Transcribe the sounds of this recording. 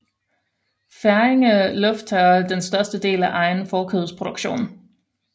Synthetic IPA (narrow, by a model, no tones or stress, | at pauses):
fæɐeŋəlɔ̽fd̥ʰæd̥ensd̥ɶɐsd̥əd̥e̝̰ːlæʔɑ̈ɪnfɒːkʰøðˠspʰʁo̝d̥uɡ̥ɕo̝̰ːn